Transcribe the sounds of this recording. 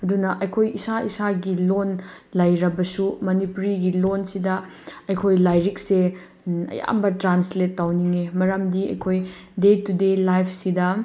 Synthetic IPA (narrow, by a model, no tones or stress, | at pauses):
ɐdunɐʔɐjkʰojisaisaɡilonlɐjɾɐbɐsumɐnipuɾiɡilonsidɐ | ɐjkʰojlajɾik̚se | ɐ̰ja̰mbɐtɾansletːawniŋemɐɾɐmdiɐ̰jkʰoj | detudelajpʰsidɐ